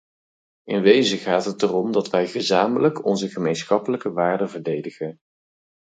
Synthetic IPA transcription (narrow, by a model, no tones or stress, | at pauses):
ʔɪnʋejzəχaːtɦətərɔmdɑtʋɛjχəzaːmələkɔnzəχəmejnsχɑpələkəʋaːɹdəvəɹdejdəχən